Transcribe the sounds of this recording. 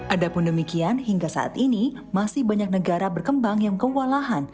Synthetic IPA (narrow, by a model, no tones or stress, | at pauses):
ʔadapʊndəmikianɦiŋɡasa̰ʔa̰t̪ʔini | masɪhbaɲak̚nəɡaɾabərkəmbaŋjaŋkəwalaɦan